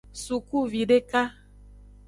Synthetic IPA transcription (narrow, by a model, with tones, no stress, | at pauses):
su˨ku˦˨vi˨ɖe˦ka˦